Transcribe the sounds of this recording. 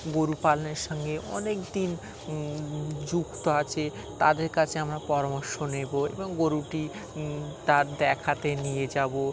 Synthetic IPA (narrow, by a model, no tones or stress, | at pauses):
ɡoɾupaloneɾʃɔŋɡeʔɔ̰nekd̪in | d͡ʑukt̪oat͡ɕʰe | t̪ad̪eɾkat͡ɕʰeamɾapɔɾamoɾʃoneboḛboŋɡoɾuʈi | t̪aɾd̪ɛkʰat̪enijed͡ʑabo